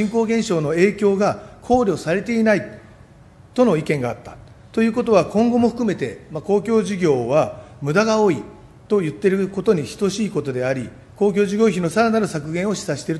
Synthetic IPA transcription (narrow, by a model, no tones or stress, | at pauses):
ĩŋko̞ːɡẽ̞ɰ̃ɕo̞ːno̞e̞ːkʲo̞ːɡakʰo̞ːɾʲo̞ːsaɾe̞t̪e̞inai | t̪o̞no̞ikẽ̞ŋɡaːt̪ːḁ | t̪o̞jɯ̟ːko̞t̪o̞β̞akõ̞ŋɡo̞mo̞ɸɯ̟kɯ̟me̞t̪e̞̰mako̞ːkʲo̞ːʑiɡʲo̞ːβamɯ̟d̪aɡao̞ːi | t̪o̞jɯ̟t̪ːe̞ɾɯ̟ko̞t̪o̞ɲ̟içi̥t̪o̞ɕiːko̞t̪o̞d̪e̞aɾʲi | ko̞ːkʲo̞ːʑiɡʲo̞ːçino̞saɾanaɾɯ̟sakɯ̟ɡẽ̞ɰ̃o̞ɕi̥saɕi̥t̪eɾɯ̟t̪